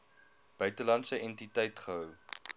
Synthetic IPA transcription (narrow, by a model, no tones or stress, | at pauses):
b̥œɥtəlɐntsəɛntitɛjtχəɦœw